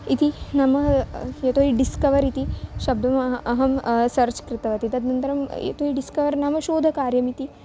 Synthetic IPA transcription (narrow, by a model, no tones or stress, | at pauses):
it̪inɐmɐjɐt̪oɦiɖiskɐʋɐɾit̪iʃɐb̚d̪ʱɐmɐɦɐmsɐɾt͡ʃkɾit̪ɐʋɐt̪it̪ɐd̪nɐnt̪ɐɾɐmjḛt̪oɦiɖiskɐʋɐɾnɐmɐʃoːd̪ʱɐkaːɾjɐmit̪i